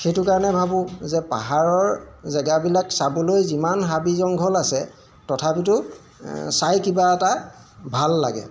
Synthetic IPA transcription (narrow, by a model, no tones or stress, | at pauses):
xejtʊkaɹɔnɛbʱabʊ̃zɛpa̰ɦaɹɔɹzɛɡabilaksabɔlojzimanɦabizɔŋɡʱɔlasɛ | tɔtʰapitʊ | sajkibaɛta | bʱalːa̰ɡɛ̰